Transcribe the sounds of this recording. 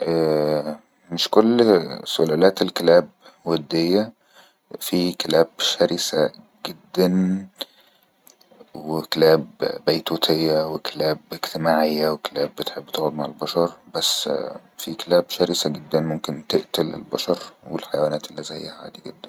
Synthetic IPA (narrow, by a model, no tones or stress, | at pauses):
ʔæː | mɪʃkolːsʊlælæːt̪elkelæːbwæd̪ːejːæ | fikelæːbʃæɾɪsæ | ɡ̥ed̪ːæn | wekelæːbːæjt̪uːt̪ʰejːæwekelæːbeɡt̪emaːʕejːæwekælæːbːɪt̪ħebːt̪æːɣod̪maʕelbɑʃɑɾˤbæsːfikelæːbʃæɾɪsæɡed̪ːænmomkent̪eʔt̪ælḛlbɑʃɑɾˤwelħajwæːnæːt̪elːizæjːæhʕa̰ːd̪iɡed̪ːæn